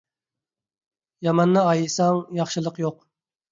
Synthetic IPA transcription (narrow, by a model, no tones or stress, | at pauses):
jɑmɑnːɨɑjɨsɑŋjɑχʃɨlˠəqjoq